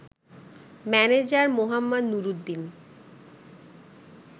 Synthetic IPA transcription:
mɛned͡ʑaɾmoɦamːad̪nuɾud̪ːin

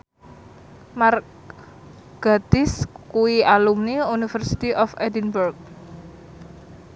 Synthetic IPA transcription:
mar | ɡ̥at̪ɪskuiʔalumniunifərsi̥t̪iʔɔfɛdinburk̚

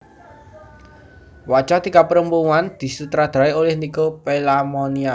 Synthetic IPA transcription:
wḁt͡ʃad̪̥i̤kapəɾəmpuŋand̪̥i̤sut̪ɾad̪̥a̤eolɪhnikopelamonia

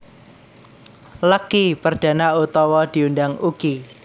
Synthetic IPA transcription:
ləkipərd̥ä̤naut̪ɔwɔd̪̥i̤undaŋuɡ̥i

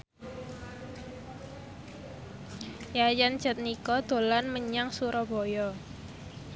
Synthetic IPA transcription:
jajan̥ʒ̥ə̤t̪̚nikɔd̪̥o̤lanməɲaŋsuɾɔb̥ojɔ

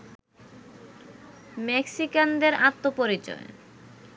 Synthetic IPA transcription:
mɛksikand̪eɾat̪ːopoɾit͡ɕɔ̰e

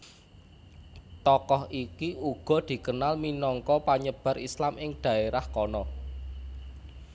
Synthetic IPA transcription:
t̪ɔkɔhikiuɡ̥ɔ̤d̪̥i̤kənalminɔŋkɔpaɲəb̥a̤ɾislamɪŋd̪̥a̤eɾahkɔnɔ

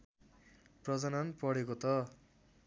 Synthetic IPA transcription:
prʌd͡zʌnanpʌɽekot̪ʌ

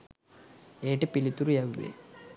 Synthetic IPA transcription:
eːʈepilit̪uɾujɐʋːḛ

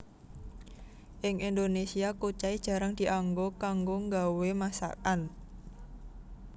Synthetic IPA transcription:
ʔɪŋʔind̪onesiakut͡ʃaid̥ʒ̥a̤ɾaŋd̪̥i̤ʔaŋɡokaŋɡoŋɡawemasa̰kan

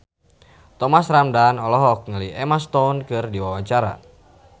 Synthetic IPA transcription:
t̪ɔmasɾamdanɔlɔɦɔk̚ŋəliʔɛmast̪ɔnkɨrdiwawat͡ʃaɾa̰

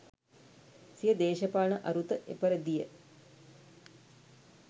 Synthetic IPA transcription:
sijəd̪eːʃɐpaːɳəʔɐɾut̪əʔḛpəɾəd̪ijə

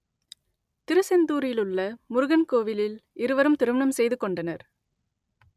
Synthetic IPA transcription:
t̪ɪɾɯsɛnd̪uːɾjɪlɯɭːɐmʊɾʊɣɐnkoːʋɪlɪlɪɾɯʋɐɾɯmt̪ɪɾɯʋɐnɐmsɛjðɯkːɔɳɖɐnɐɾ

